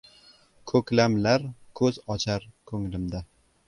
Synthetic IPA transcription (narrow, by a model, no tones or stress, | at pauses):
kʰɵklamlaɾkʰɵzɒt͡ʃʰaɾkʰɵŋlɪmd̪a